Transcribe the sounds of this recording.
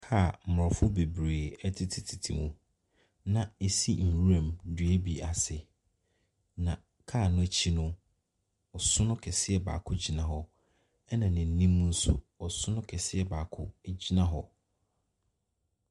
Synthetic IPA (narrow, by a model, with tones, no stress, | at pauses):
kʰa˦˨m̩˨m˨ɾɔ˨fʊ˦be˨bɾeː˨ɛ˦tʰɪ˦tʰɪ˨tʰi˨tʰḭ˨mũ˨ | nã˨e˨si˦n̩˨wu˦ɾã˨mdɥe˦bi˨a˨sɪ˨ | nã˨ | kʰaː˦˨nʊ̃˦˨t͡ɕʰi˦nʊ̃˦ | ɔ˨sʊ˦nʊ̃˦kʰɛ˨sɪ˦ɛ˨ba̰ː˨kʰʊ˦d͡ʑi˨nã˨ɦɔ˨ | ɛ˦nã˨nɪ̃˨n̩˨˦nĩ˦mːũ˦n̩˦sʊ̰˦ | ɔ˨sʊ˦nʊ̃˦kʰɛ˨sɪ˦ɛ˦baː˨kʰʊ˦d͡ʑi˦nã˦ɦɔ˨